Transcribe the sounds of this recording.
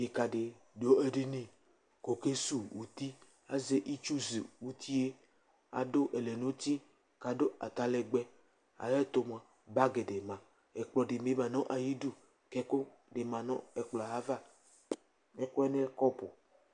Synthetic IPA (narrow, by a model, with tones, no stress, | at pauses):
je˨ka˨ɖe˨ | do˦e˦ɖe˦nĩ˦ | ko˨ke˦su˦wu˨t̪i˦ | a˦ze˦ʔi˦t͡ʃu˦zi˨wu˨t̪ʰi˦e˦ | a̰˨ɖo˦ʔe˨le˨nõ˦t̪i˦ | ka˨ɖo˦a̰˨t̪a˨le˨ɡ͡bɛ˦ | a̰˨jɛ˦t̪o˨m˨ã˨ | ba˦ɡe˨ɖe˨mã˨ | e˨k͡plɔ˨ɖe˨me˦mã˨nɔ̃˦ʔa˨ji˦du˦ | kɛ˦ko˦ | ɖe˨mã˨nɔ̰̃˦e˨k͡plɔ˨ɦa˦va˦ | e˦ko˦ɛ˦ne˦lkɔ˦po˨